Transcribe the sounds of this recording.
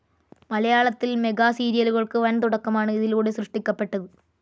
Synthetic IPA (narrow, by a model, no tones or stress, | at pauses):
mɐlɐjaːɭɐt̪ːilme̞ɡaːsiːɾijɐluɣɐɭkɨʋɐnt̪uɽɐkːɐmaːɳɨiðiluːɽe̞srɨʂʈikʲːɐpːe̞ʈːɐðɨ